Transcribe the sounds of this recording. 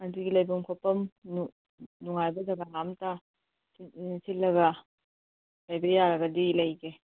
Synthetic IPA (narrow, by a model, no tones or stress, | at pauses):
ɐduɡilɐjbɐmkʰopɐmn | nuŋajbɐzɐɡalamta | sisitlɐɡɐ | lɐjbɐjaɾɐɡɐdilɐjɡe